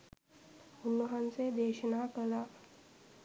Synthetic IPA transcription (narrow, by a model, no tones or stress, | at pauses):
ʊnːəɦənsed̪eːʃənakəlaː